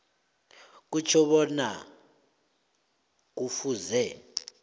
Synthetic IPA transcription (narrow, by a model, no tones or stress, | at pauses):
k̬ut͡ʃʰɔβɔna | k̬ufuzɛ